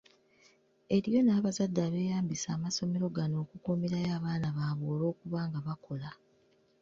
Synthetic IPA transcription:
e̞ɾijo̞naːβazadːaːβe̞ːjaːmbisaːmaso̞me̞ɾo̞ɡano̞ːkukumeɾajaːβaːnaβaːβoːlo̞ːkuβaːŋɡaβakʰo̞la

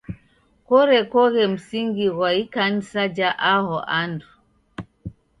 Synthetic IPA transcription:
kɔɾɛkɔɣɛm̩siŋɡiɣwaikan̩sad͡ʒaʔahɔʔandu

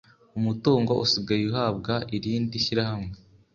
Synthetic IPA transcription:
umutuːŋɡo̞ʔusiɡajiuɦaːb̚ɡaʔiɾiːndiʃiɾahamŋe

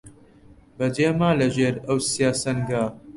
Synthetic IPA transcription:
bɐd͡ʒeːmaːlɐʒeːɾɐwsijaːsɐnɡaː

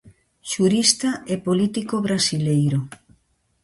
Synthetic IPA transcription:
ʃuɾist̪aepolit̪ikoβɾasilejɾo

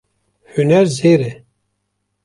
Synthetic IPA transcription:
hynɛɾzeːɾɛ

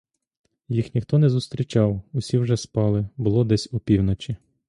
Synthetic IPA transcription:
jixnʲixt̪ɔnɛzʊst̪ɾʲit͡ʃɑwʊsʲiwʒɛspɑlˠɪbʊlˠɔd̪ɛsʲʊpʲiwnɔt͡ʃʲi

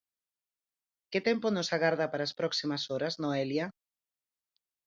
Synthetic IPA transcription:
kɪt̪ɛmponosaɣaɾðɐpaɾaːspɾɔksimɐsoɾɐznoɛlja

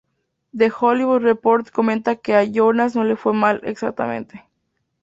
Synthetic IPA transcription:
d̪e̞xoliβud̪repo̞ɾt̪ko̞mẽnt̪ake̞aʝo̞nas̬no̞le̞fwe̞malḛksak̚t̪a̰mḛ̃nt̪e̥

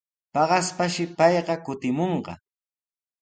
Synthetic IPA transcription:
pɑɢɑspaʃɪpɑjɢɑkʊt̪ɪmoɴɢɑ̰

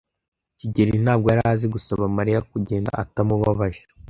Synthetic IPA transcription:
ciɟeɾin̥aːb̚ɡo̞jaɾaziɡusaβamaɾijakuɟe̞ːnda̰ʔatamuβaβaʒḁ

